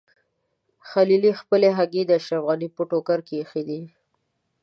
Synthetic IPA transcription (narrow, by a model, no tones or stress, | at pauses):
xalilixpəleɦaɡed̪əaʃɾafɣanipoʈokaɾkexid̪i